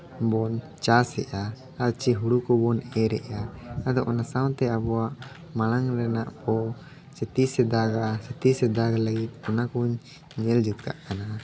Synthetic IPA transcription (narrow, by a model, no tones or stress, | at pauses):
bɔn | t͡ʃasɛʔa | at͡ʃiɦuɽukɔbɔnɛɾɛ̰ʔaad̪ɔʔɔnasawt̪ɛabɔwaʔ | malaŋɾɛnaʔpɔ | sɛt̪isɛd̪aɡasɛt̪isɛd̪aɡalaɡit̪̚ɔnakuɲ | ɲɛld͡ʒut̪̚kʰa̰ʔkana